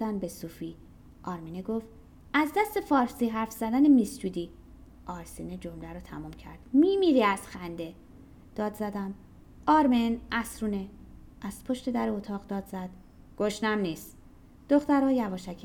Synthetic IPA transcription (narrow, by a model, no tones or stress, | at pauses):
ænbe̞suːfi | ʔɒːɾmineɡo̞ft̪ | æzd̪æst̪e̞fɒːɾsiːɦæɾfz̥æd̪ænemist͡ʃuːd̪i | ʔɒːɾsined͡ʒo̞mlæɾɔt̪ʰæmuːmcʰæ̰ɾd̪̥miːmiɾiæz̥xænd̪e̞ | d̪̥ɒːd̪zæd̪æm | ɒːɾmenʔæsɾuneʔæz̥pʰo̞ʃt̪e̞d̪æɾeot̪ʰɒːʁd̪ɒːd̪zæd̪̥ | ɡ̥o̞ʃnæmniːst̪ | d̪̥o̞xt̪æɾɒːjævɒːʃækʰ